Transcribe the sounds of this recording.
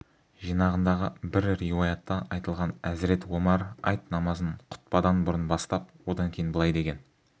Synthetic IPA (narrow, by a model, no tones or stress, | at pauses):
ʒijnɑʁənd̪ɑʁəbɪɾɾiwojɑt̪ːɑʔɑjt̪əlˠʁɑnæzɾe̞t̪womɑɾɑ̰jt̪nɑmɑzənqʰʊ̥t̪̚pɑd̪ɑnbʊɾənbɑst̪ɑp̚wo̞d̪ɑŋkʲʰeɪnbəlˠɑjd̪e̞ɡʲe̞n